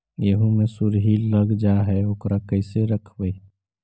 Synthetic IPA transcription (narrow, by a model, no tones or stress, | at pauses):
jəɦũmẽsʊɾɦiləɡd͡ʒaɦɛokɾakəɪseɾəkʰbəi